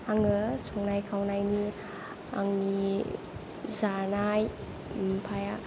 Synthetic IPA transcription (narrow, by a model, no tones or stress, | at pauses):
aŋɯsɔŋnajkʰawnajni | a̰ŋni | zanaj | mpʰaja